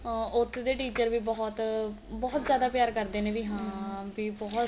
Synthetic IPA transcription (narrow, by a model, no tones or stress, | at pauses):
ʊt̪ʰːd̪eːʈiːt͡ʃəɾʋiːbɔːt̪bɔːt̪zjaːd̪aːpjaːɾkəɾd̪eːneːbiːɦãːbiːbɔː